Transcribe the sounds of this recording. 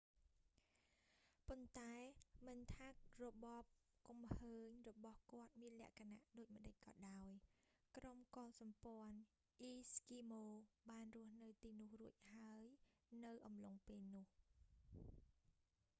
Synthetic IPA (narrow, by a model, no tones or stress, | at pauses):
pont̪aɛmɨnt̪ʰaːk̚rɔɓɑːp̚kumhəːɲrɔɓɑhkŏət̪̚miənlɛ̆əʔkʰanaʔɗoːc̚mə̆ɗəc̚kɑ̰ːɗaɔjkromkɑːsɑmpŏən | ʔiːskiːmoːɓaːnrʊ̆əhnɨwt̪iːnʊ̆əhruəc̚haəjnɨwʔɑmloŋpeːlnʊ̆əh